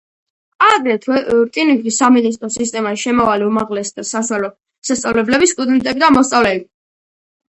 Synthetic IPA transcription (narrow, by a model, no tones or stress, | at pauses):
ad̪ɾɛt̪ʰwɛɾt̪ʼinikʰisaminis̬t̪ʼɾɔsist̪ʼɛmaʃɛmɔvaliumaʁlɛsd̪asaʃwalɔ | sast̪sʼavlɛblɛbist̪ʼud̪ɛnt̪ʼɛbid̪amɔst̪sʼavlɛbi